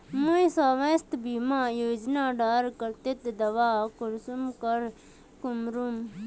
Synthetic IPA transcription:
muisaːʋest̪bimaːjoːd͡ʒnaːɖaːɾkɐɾt̪et̪d̪ɐʋaːkuɾsumkɐɾ | kumɾum

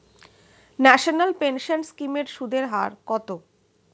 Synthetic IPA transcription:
nɛʃonalpenʃanskimeɾʃud̪ʱeɾɦa̰ɾkɔt̪o

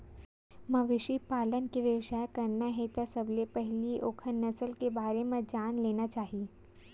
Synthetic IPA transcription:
mɐʋɪʃipaːlənkiʋjəʋʃaːjkɐɾnaɦɛt̪asɐblepɛɦɪliʔoːkʰənːɐsəlkebaːɾemẽd͡ʒaːnleːnat͡ʃaːɦi

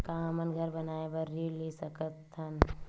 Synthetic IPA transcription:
kamənɡʱəɾbɐnaːebəɾːiːlesɐkət̪ʰːən

